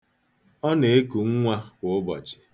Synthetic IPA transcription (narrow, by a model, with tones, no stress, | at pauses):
ɔ˦ne˨e˦ku˨ŋ̩˦ŋʷa˦kʷo˨ʊ˦bɔ˨d͡ʒɪ̥˨